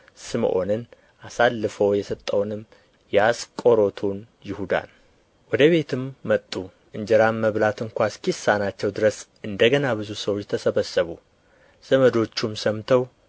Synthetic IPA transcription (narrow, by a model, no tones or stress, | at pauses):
sɨm̰ʔo̞̰nɨn | ʔasalːɨfəwjɛsət̪ʼːəwnɨm | jɛaskʼo̞ɾo̞t̪ʰun | jɪhud̪a̰n | wɔd̪əβe̞t̪ʰɨmːət̪ʼːu | ʔɨɲd͡ʒɛɾamːəβlat̪ɨŋkʷaskisːanat͡ʃːɛwd̪ɨɾəsʔɨnd̪əɡənabɨzusəwot͡ʃjt̪ʰəsəβəsːəβu | z̥əməd̪o̞t͡ʃːumsəmt̪ʰəw